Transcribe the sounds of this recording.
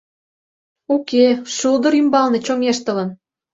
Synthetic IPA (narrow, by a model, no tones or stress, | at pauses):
ukeʃuld̪ə̆ɾymbɑlnet͡ɕoŋeʃt̪ə̆lə̆n